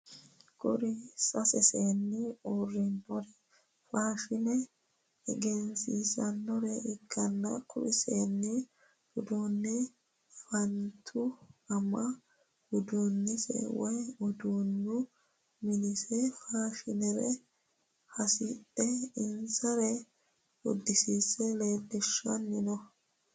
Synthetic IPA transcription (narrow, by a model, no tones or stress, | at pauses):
kʼɔɾɪsʼɐsɛseːnːɪorːɪnːɔɾɛ | faːʃɪnɛ | ɛɡɛnsisɐnːɔɾɛʔɪkʰːɐnːɐ̰kʼʊ̰ɾɪseːnːɛ | bʊd̪onːɛ | fɐnt̪ʰʊɐmɐ | hʊd̪uːnːɛsɛ̰wɔjʊd̪uːnːʊ | mɪnɪsɛfaːʃɪnɛɾɛ̰ | hɐsɪtʼːɛɪnsɐɾɛ | ʊd̪ːɪsiːsɛleːd̪ːɛʃːɔnːɪnɔ